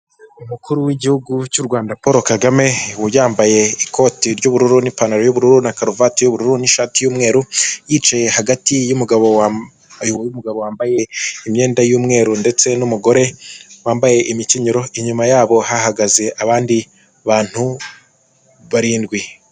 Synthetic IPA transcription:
umukuɾuwiɟihuɡut͡ʃuɾɡwaːndapoːɾo̞kaɡame̞wujaːmbaje̞ikʰo̞ːtiɾɟuβuɾuɾunipanaɾojuβuɾuɾunakaɾovatijuβuɾuɾuniʃaːtijuːmŋe̞ːɾujit͡ʃaje̞haɡatijumuɡaβowa | juwojumuɡaβo̞waːmbaje̞imɲe̞ːndajuːmŋe̞ːɾunde̞t͡se̞numuɡo̞ɾe̞waːmbaje̞ʔimɲiciɲiɾo̞ʔiɲumajaːβo̞haɦaɡaze̞ʔaβaːndi | βaːn̥hu | βaɾiːndɡwi

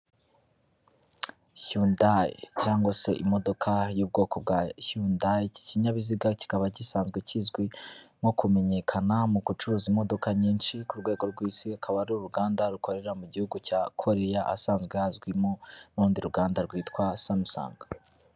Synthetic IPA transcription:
çundajcaːŋɡwase̞̰ʔimo̞do̞kʰajuːb̚ɡo̞ːko̞b̚ɡaçundajci̥ciɲaβiziɡaci̥kaβacisaːnzɡwecizɡwimokume̞ɲe̞kʰanamuɡut͡ʃuɾuːzimo̞do̞kaɲiːnʃikuɾɡweːɡo̞ɾɡwiːsiakʰaβaɾɾuɾuɡaːndaɾuko̞ɾe̞ɾamuɟihuɡucakʰo̞ɾe̞jaʔa̰saːnzɡwejazɡwimonuɾuːndiɾuɡaːndaɾɡwiːtkwasamusa̰ːŋɡḁ

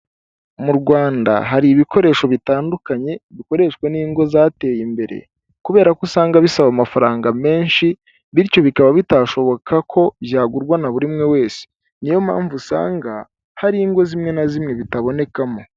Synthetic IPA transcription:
muɾɡwaːnda̰ɦaɾiβiko̞ɾe̞ːʃo̞βitaːndukaɲe̞βiko̞ɾe̞ːʃkwe̞niːŋɡo̞zaːte̞ːjimbe̞ɾe̞̰ | kuβe̞ːɾakosaːŋɡaβisaβamafaɾaːŋɡame̞ːnʃi | βiɾco̞βikaβaβitaʃo̞βo̞kʰakʰo̞bjaːɡuɾɡwanaβuɾimŋe̞we̞ːse̥ | nijo̞ma̰ːɱvusa̰ːŋɡa | haɾiːŋɡo̞zimŋe̞nazimŋe̞βitaβo̞ne̞kamo̞

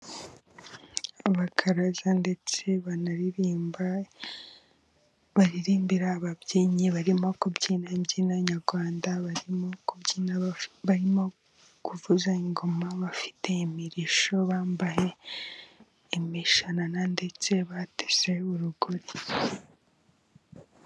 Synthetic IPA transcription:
aβakʰaɾazande̞t͡se̞βanaɾiɾiːmba | βaɾiɾiːmbiɾaːβabɟiːɲiβaɾimo̞kubɟiːnaibɟinaɲaɾɡwaːndaβaɾimokubɟiːnaβaɾimo̞ | kuvuzaiŋɡo̞maβafi̥te̞imiɾiʃo̞βaːmbahe̞ | miʃananande̞t͡se̞βateze̞uɾuɡoɾi

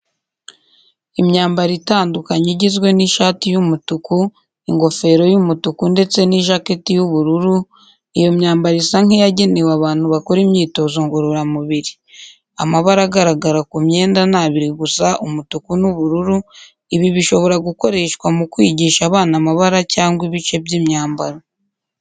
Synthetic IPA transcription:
imɲaːmbaɾitaːndukaɲeɟizɡwe̞niʃaːtijumutuku | iŋɡo̞fe̞ɾo̞jumutukunde̞t͡se̞niʒaketijuβuɾuɾu | ijo̞mɲaːmbaɾisaŋijaɟe̞ne̞waβaːn̥huβako̞ɾimɲiːto̞zoŋɡoɾuɾamuβiɾi | a̰maβaɾaɡaɾaɡaɾakumɲe̞ːndanaːβiɾiɡusaʔumutukunuβuɾuɾu | iβiβiʃo̞βo̞ɾaɡuko̞ɾe̞ːʃkwamukwiːɟiːʃaβaːnamaβaɾacaːŋɡwiβit͡ʃe̞bɟiːmɲaːmbaɾa

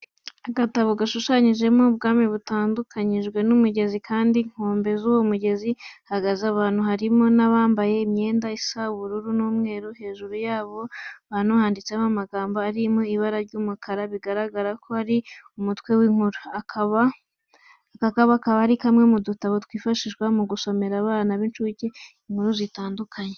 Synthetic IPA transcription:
aɡataβo̞ɡaʃuʃaɲiʒe̞mob̚ɡaːmiβutaːndukʰaɲiʒɡwe̞numuɟe̞zikʰaːndiŋ̥hoːmbe̞zuwomuɟe̞zihaɡazaβaːn̥huhaɾimo̞naβaːmbaje̞imɲe̞ːndaisaβuɾuɾunuːmŋe̞ːɾuhe̞ːʒuɾujaːβo̞βaːnuhaːndit͡seamaɡaːmboaɾimoiβaɾaɾɟuːmukʰaɾaβiɡaɾaɡaɾakʰo̞haɾiumutwe̞wiːŋ̥huɾuakaβa | kakaβakaβahaɾikamŋe̞mudutaβotwiːfaʃiʃwamuɡuso̞me̞ɾaβaːnaβint͡ʃuce | iŋ̥huɾuzitaːndukʰaɲe

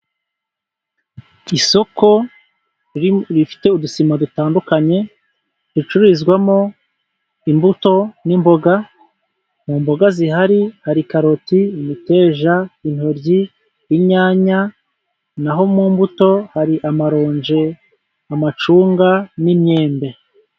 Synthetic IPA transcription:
iso̞ko̞ | ɾifi̥te̞udusimadutaːndukaɲe̞ | ɾit͡ʃuɾizɡwamo̞ | imbuto̞nimbo̞ɡa | muːmbo̞ɡazihaɾihaɾikaɾo̞timite̞ːʒain̥hoɾɟi | jiɲaːɲa | naɦo̞muːmbuto̞haɾiʔamaɾo̞ːɲd͡ʒe̞ | amat͡ʃuːŋɡanimɲe̞ːmbe̞

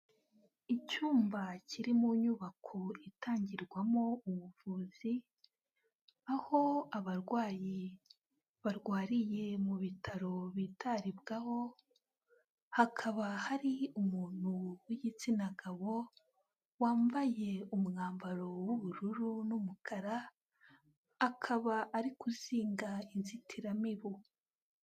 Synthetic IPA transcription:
icuːmbacʰiɾimuɲuβakʰoitʰaːɲɟiɾɡwamo̞uβuvuːzi | aho̞aβaɾɡwaːji | βaɾɡwaːɾije̞muβitʰaɾo̞βitʰaɾibɡaho̞ | hakʰaβahaɾiumuːn̥huwijit͡sinaɡaβo̞ | waːɱvaje̞umŋaːmbaɾo̞wuβuɾuɾunumukʰaɾa | akʰaβaʔːɾikuziːŋɡainzitʰiɾamiβu

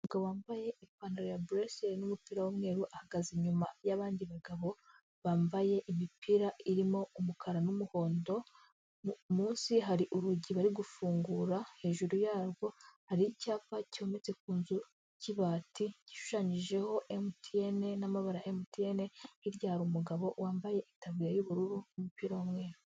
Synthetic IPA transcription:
uɡaβoaːɱvaje̞ʔipaːnoɾojabɾeseɾnumupiːɾawomŋe̞ːɾuʔahaɡaziɲumajaβaːndiβaɡaβo̞ | βaːɱbaje̞ʔimipʰiɾaʔiɾimo̞umukʰaɾanumuho̞ːndo̞ | muːnsiɦaɾiʔuɾuɟiβaɾiɡufuːŋɡuɾahe̞ːʒuɾujaːɾɡo̞haɾicaːfacio̞me̞t͡se̞k̚uːnzu | ciβaːtʰici̥ʃu̥ʃaːɲiʒe̞ho̞ʔemutʰiene̞namaβaɾaʔemutiene̞hiɾɟaːɾuːmuɡaβo̞waːɱbaje̞ʔitaβiɾajuβuɾuɾunumupiɾaomŋe̞ːɾo

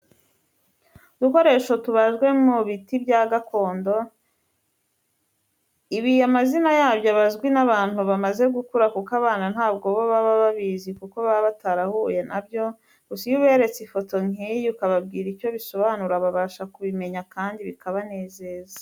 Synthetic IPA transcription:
duko̞ɾe̞ːʃo̞tuβaʒɡwe̞muβitibjaːɡako̞ːndo̞ | iβiamazinajaːbjoβazɡwinaβaːn̥huβamaze̞ɡukuɾakukaβaːnan̥haːbɡo̞βoβaβaβaβizikuko̞βaβataɾahuːje̞nabjo̞ | ɡusijuβe̞ːɾe̞t͡sifo̞to̞ŋ̥ijukaβab̚ɡiːɾijo̞βiso̞βanuɾaβaβaːʃakuβime̞ɲakaːndiβikaβane̞ːze̞ːzḁ

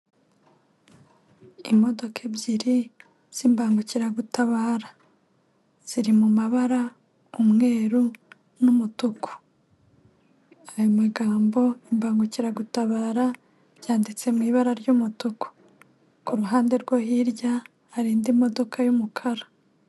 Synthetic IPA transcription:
imo̞do̞kʰebjiɾi | z̥imbaːŋɡuciɾaɡutaβaːɾa | z̥iɾimumaβaɾa | umŋe̞ːɾu | numutukʰo̥ | ajomaɡaːmbo̞imbaːŋɡuciɾaɡutaβaːɾa | ɾjaːndit͡se̞mwiːβaɾaɾɟumutuko̥ | kuɾuɦaːnde̞ɾɡwohiɾɟaː | ɾiːndimo̞do̞kʰajumukʰaɾa

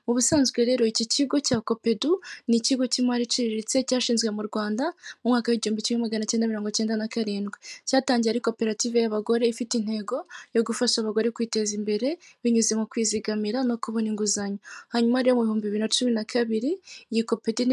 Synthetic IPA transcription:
uβusaːnzɡwe̞ɾe̞ːɾo̞iciciɡo̞caːko̞pe̞duniciɡo̞cimaɾiciɾiɾit͡se̞caːʃiːnzɡwe̞muɾɡwaːndamumŋaːkaweɟihuːmbit͡ʃumŋemaɡanacendamiɾoːŋɡo̞ce̞ːndanakaɾiːndɡwecaːtaːɲɟiɾaɾiko̞pe̞ɾatiːve̞jaβaɡo̞ɾe̞ifitin̥he̞ɡo̞jo̞ɡufaʃaβaɡo̞ɾe̞kwiːte̞zimbe̞ɾe̞βiɲuzimokwiːziɡamiɾano̞kuβoniŋɡuzaɲohaɲumaːɾijomuβihuːmbiβiɾinat͡ʃuminakʰaβiɾijiko̞pe̞dun

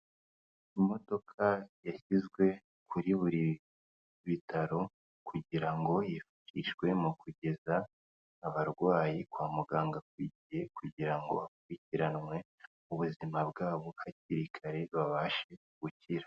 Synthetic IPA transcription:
imo̞do̞kʰajaçizɡwe̞ | kʰuɾiβuɾi | βitʰaɾo̞ | kʰuɟiɾaŋɡo̞jifu̥ʃiʒɡwe̞mukuɟe̞zaː | βaɾɡwaːjikwaːmuɡaːŋɡak̚wiɟije̞kuɟiɾaŋɡoβak̚uɾiciɾanŋwe̞ | uβuzimabɡaːβohaciɾikʰaɾe̞βaβaːʃe̞ | ɡ̥uciɾa

